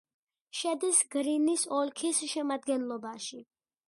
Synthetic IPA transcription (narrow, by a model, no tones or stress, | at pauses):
ʃɛd̪isɡɾinisɔlkʰisʃɛmad̪ɡɛnlˠɔbaʃi